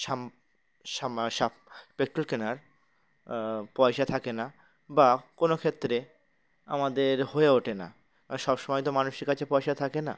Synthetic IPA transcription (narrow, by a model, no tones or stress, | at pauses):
ʃam | aʃa | pek̚ʈːɾolkenaɾ | pɔjʃat̪ʰakena | bakonokʰet̪ːɾe | a̰mad̪eɾhoeoʈena̰ | ʃɔbʃɔmɔjt̪omanuʃiɾkat͡ɕʰepɔjʃat̪ʰakena̰